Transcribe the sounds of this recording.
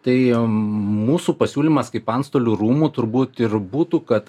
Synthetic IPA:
t̪ɐɪ | muːsuːpɐsʲuːlʲimɐskɐɪpɐnst̪oːlʲuɾuːmuːt̪ʊɾbuːt̪ɪɾbuːt̪uːkɐt̪

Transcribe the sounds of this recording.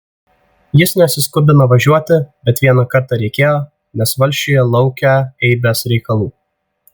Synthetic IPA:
jɪsnʲɛɐtsʲɪskʊbʲɪnoʋɐʒʲuɔt̪ʲɪbʲɛt̪ʋʲiɛnɐkɐɾt̪ɑɾʲɛɪkʲeːjoː | nʲɛsʋɐlʲʃʲt͡ʃʲijɛlˠɒʊkʲæːɛɪbʲɛsɾʲɛɪkɐlˠuː

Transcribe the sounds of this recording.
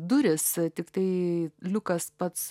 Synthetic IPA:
d̪ʊɾʲɪst̪ʲɪkt̪ɐɪlʲʊkɐspɐt̪s

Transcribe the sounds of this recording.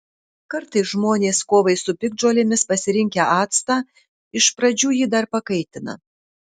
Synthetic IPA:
kɐɾt̪ɐɪsʒmoːnʲeːskoːʋɐɪsʊpʲɪɡ̚d͡ʒoːlʲemʲɪspɐsʲɪɾʲɪŋʲkʲɛɑːt̪st̪ɑː | ɪʃpɾɐd͡ʒʲuːjid̪ɐɾpɐkɐɪt̪ʲɪnɐ̰

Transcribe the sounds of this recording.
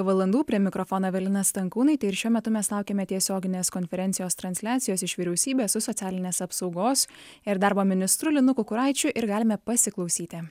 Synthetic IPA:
ʋɐlˠɐnd̪uːpʲɾʲiɛmʲɪkɾɔfoːnoːʋʲɛlʲɪnɐst̪ɐŋkuːnɐɪt̪ɐɪɪɾʃʲuɔmʲɛt̪ʊmʲɛslˠɑˑʊkʲeːmʲɛt̪ʲiɛsʲoːɡʲɪnʲeːskɔnʲfʲɛɾʲɛnt̪sʲɪjoːst̪ɾɐnʲsʲlʲæːt̪sʲɪjoːsɪʃʋʲiːɾʲɛʊsʲiːbʲeːsʊsɔt̪sʲæːlʲɪnʲeːsɐpsɒʊɡoːsɪɾd̪ɑːɾboːmʲɪnʲɪst̪ɾʊlʲɪnʊkʊkʊɾɑɪt͡ʃʲʊʔɪɾɡɑːlʲɪmʲɛpɐsʲɪklˠɒʊsʲiːt̪ʲɪ

